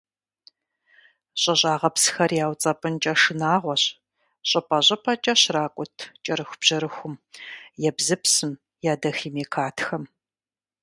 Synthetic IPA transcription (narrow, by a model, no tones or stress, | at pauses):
ɕʼɐɕʼaːʁɐpsxɐrjaːwt͡sʼɐpʼɨnt͡ʃʼɐʂɨnaːʁʷɔɕ | ɕʼɐpʰʼɐʑʼɐpʰɐt͡ʃʼɐɕraːkʷʼʊtʰt͡ʃʼɐɾɨxʷb̥ʑ̥ɐɾɨxʷʊmjɛbzɨpsɨm | jaːdɐxiːmeːkʰaːtʰxɐm